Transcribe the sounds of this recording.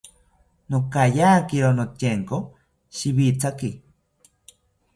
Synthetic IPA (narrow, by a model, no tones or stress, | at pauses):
nokajaːkiɾonot͡ʃeŋko | ʃiβit͡sʰaki